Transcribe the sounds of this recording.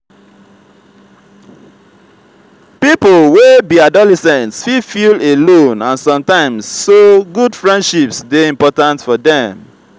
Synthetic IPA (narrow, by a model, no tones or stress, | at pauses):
pipolwebiadɔlɛsɛ̃ntsfifilelõnãnsɔ̃mtãɪ̃msːoɡudfɹɛ̃ndʃipsdeĩmpɔtãntfɔdɛ̃m